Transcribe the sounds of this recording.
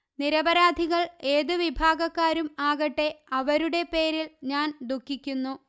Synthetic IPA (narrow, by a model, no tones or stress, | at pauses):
niɾɐbɐɾaːd̪ʱiɣɐɭe̞ːðɨʋibʱaːɡɐkːaːɾumaːɣɐʈːe̞ɐʋɐɾuɽe̞pe̞ːɾilɲaːnd̪ʱukːikʲːunːu